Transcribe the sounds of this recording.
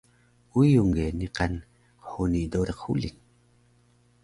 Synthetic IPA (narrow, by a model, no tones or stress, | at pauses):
ujuŋɡeniqan | qħunidoɾeqːṵlḭn